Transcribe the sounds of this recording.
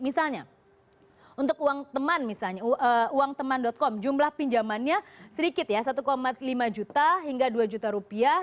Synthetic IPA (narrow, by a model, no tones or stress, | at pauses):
misalɲa | unt̪ʊkuaŋt̪əmanmisalɲaəuaŋt̪əmandɔt̪̚kɔmd͡ʒumlahpiɲd͡ʒamanɲasəɾikɪt̪̚jasat̪ukomat̪limad͡ʒut̪aɦiŋɡaduad͡ʒut̪aɾupia